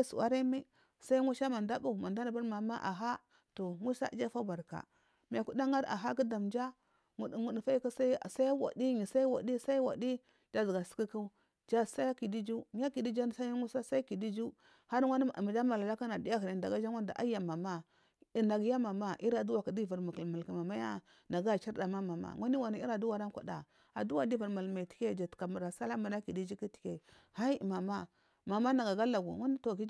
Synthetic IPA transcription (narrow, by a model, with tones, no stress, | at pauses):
sṵ˨wa˦ɾa˦mi˦ | sa˦i˦ŋu˦ʃa˦ma˨nda˦bu˦˨ma˨da˦na˨ba˦ɾma˨ma˦ʔa̰˨ɦa˦ | to˨ŋu˦sa̰˦d͡ʒa˦fa˦ba˨ɾka̰˨ | m˨a˨ku˦da˦ŋa˦ɾa̰˨ɦa˦ki˦da˨md͡ʒa˦ | ŋu˨di˨ŋu˨di˨fa˦i˦ka˦sa̰˦˨sa˦wa̰˨di˦ŋi˨sa˦i˦wa̰˨di˦sa˦i˦wa̰˨di˦ | d͡ʒa˦zɡa˨si̥˨˦ki˦ku˦ | d͡ʒa˦˨sa˦ja˦ki˨di˦d͡ʒu˦m˦ja˦ki˨di˦d͡ʒa˦n˨sa˦ŋu˦sa˦sa˦i˦ki˨di˦d͡ʒu˦ | ha˦ɾa˦˨ma˨d͡ʒa˦ma˨la˨la˦ka˦na˨di˦a˦ɦi˨ɾi˨da˨ɡa˦d͡ʒa˦ŋʷa˦nda˨ʔa̰˦ja˨ma˨ma˦˨ | na˨ɡja˦ma˨ma˦ʔi˦ɾa˨du˦wa˨ka˨di˦va˨ɾma˨ki˨lma˨lki˨ma˨ma˦ja˦ | na˨ɡa˦˨t͡ʃa˦ɾda˨ma˦ma˨ma̰˨ŋʷa˦ni˦wa˨ni˨˦i˦ɾa˨du˦wa˨ɾa˦nkʷa̰˨da̰˨ | a˨du˦wa˨di˦va˨ɾma˨lma˨ti̥˦ke˦d͡ʒa˨tka˨ma˨ɾa˨sa˦la˦ma˨na˦ki˨di˦d͡ʒi˦ki˦ti̥˨ke˦ | ha˦i˦˨ma˨ma˦ | ma˨ma˦na˨ɡa˨ɡa˦la˨ɡṵ˨ŋa˦ni˦to˨ki˦